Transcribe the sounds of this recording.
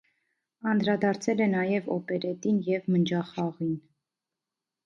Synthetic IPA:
ɑnd̪ɾɑd̪ɑɾt͡sʰɛlɛnɑjɛvɔ̰pɛɾɛt̪injɛvmənd͡ʒɑχɑʁin

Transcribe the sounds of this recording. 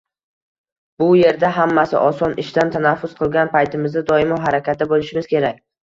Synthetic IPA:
bʊje̞ɾd̪aɦamːasɪʔɒsɒnɪʃt̪ant̪ʰanafːʊsqʰɨlˠɡʲanpajt̪ʰɪmɪzd̪ad̪ɒɪmɒɦaɾakʲat̪̚ɪbolˠɪʃɪmɪz̥kʲʰe̞ɾakʲ

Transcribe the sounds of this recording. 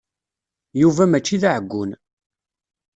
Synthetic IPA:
juvæmæt͡ʃːiðaʕəɡʷːʊ̰n

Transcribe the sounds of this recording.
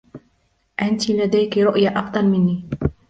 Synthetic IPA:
ʔant̪ɪlad̪ajkɾʊʔjaʔɑfd̪ˤɑlmɪnːiː

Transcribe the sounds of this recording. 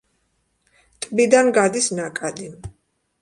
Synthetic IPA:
t̪ʼbid̪anɡad̪isnakʼad̪i

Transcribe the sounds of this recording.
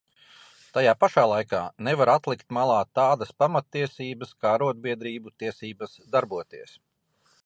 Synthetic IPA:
t̪ajaːpaʃaːlˠajkaːnɛvaɾat̪lˠikt̪malˠɑːt̪aːd̪ɐspamat̪ːiɛsiːbəskaːɾuɔd̪̚biɛd̪ɾiːbut̪iɛsiːbɐsd̪aɾbuɔt̪iɛs

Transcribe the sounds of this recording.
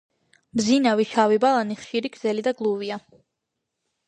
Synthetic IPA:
mzinaviʃavibalˠaniχʃiɾiɡ̪z̥ɛlid̪aɡlˠuvia

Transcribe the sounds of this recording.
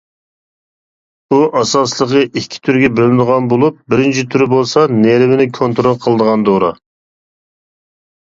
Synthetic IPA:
buʔɑsɑslˠəʁəʔikʲʰːi̥t̪ʰyɾɡʲɛbølɪnʁɑnbolˠup̚bɪɾɪnt͡ʃʰit̪ʰyɾɪbolˠsɑneɾvɪnɪkʰont̪ɾolˠqʰəlˠəd̪əʁɑnd̪oɾɑ̰

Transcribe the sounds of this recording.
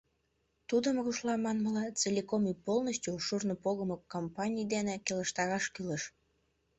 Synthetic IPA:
t̪ud̪əmɣuʃlɑmɑnməlɑt͡selʲikomipolnəɕtʲoʃurnopoɣəmokːompɑnʲijd̪enekeləʃt̪ɑɾɑʃkyləʃ

